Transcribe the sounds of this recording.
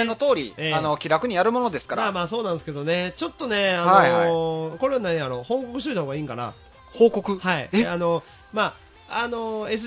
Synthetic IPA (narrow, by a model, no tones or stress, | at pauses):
enːot̪o̞ːɾʲieːano̞kʲiɾakɯ̟ɲ̟ijaɾɯ̟mo̞no̞d̪e̞sɨ̥kamaːmaːso̞ːnãnd̪eske̞d̪one̞t͡ɕo̞t̪ːo̞ne̞anoko̞ɾe̞βanãɲ̃jaɾo̞ːho̞ːko̞kɯ̟ɕ̬t̪oit̪aɦoːɡaiːŋkana̰ | hoːko̞kɯ̟haḭano̞ | maː | ano̞e̞s̬